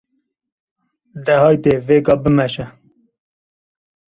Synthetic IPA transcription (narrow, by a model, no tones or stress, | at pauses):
d̪ɛɦɑːjt̪eveːɡɑːbəmɛʃɛ